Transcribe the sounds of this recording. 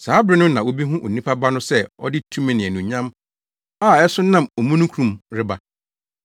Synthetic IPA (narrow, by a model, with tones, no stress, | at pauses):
saː˨˦bɾɪ˦nʊ̃˦nã˨wo˦bi˦ɦũ˦ʔo̰˨nĩ˦pʰa˦ba˦nʊ̃˦sɛ˦ɔ̰˦dɪ˦tʰũ˦mɛ̃˨nɪ̃˨ɛ˨nũ˨ɲã˦m | a˦˨ɛ˦sʊ˦nã˦mɔ˨mũ˦nũ˦kʰɾũ˨mɾɪ˦ba˨